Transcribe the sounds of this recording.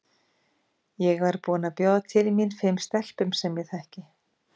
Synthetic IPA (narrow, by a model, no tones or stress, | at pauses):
jɛɣvaɾpuːnapjɔːðt̪ʰɪlminfɪmst̪ɛl̥pʏmsɛmjɛɣθahcɪ